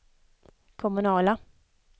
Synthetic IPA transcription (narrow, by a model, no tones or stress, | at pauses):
kʰɔmɵnɑːla